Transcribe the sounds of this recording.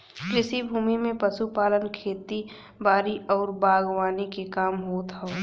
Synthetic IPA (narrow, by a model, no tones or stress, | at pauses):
kɾɪsibʱuːmimẽpɐsupaːlənkʰeːt̪i | baːɾiʔɔːɾbaːɡwaːnikekaːmɦoːt̪ɦɛː